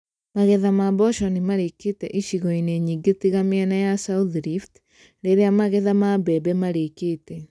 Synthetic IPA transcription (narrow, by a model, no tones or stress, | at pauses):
maɣeðamabɔʃɔnimaɾeketɛʔiʃiɣɔineɲiːɡetiɣameɛnajasauðɾift | ɾeɾeamaɣeðamabɛbɛmaɾekeːtɛ